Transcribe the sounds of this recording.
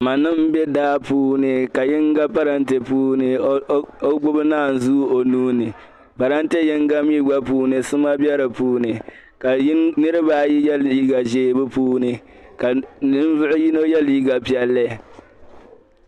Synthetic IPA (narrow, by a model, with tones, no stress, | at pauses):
ma˨nɨ˦mbɛ˦daː˦puː˦nɨ˨ka˨jɪ˦ŋɡa˦pa˦ɾa˦n̩˦te˨puː˦nɨ˨o˦ɡ͡bʊ˦bɨ˦naː˦˨n̩˨zu˦o˨nuː˦nɨ˨ | pa˨ɾa˦n̩˦te˦jɪ˦ŋɡa˦mi˦ɡ͡ba˦puː˦nɨ˨sɨ˦ma˦bɛ˦ɾɨ˨puː˦nɨ˨ | ka˨˦nɨ˦ɾɨ˦baː˦˨ji˦jɛ˦liː˦ɡa˨ʒeː˦˨bɨ˦puː˦nɨ˨ | ka˨nɨ˦m˦zʊ˦ʔʊ˦ji˦no˦jɛ˦liː˦ɡa˨pi˨ɛ˦lːɨ˦˨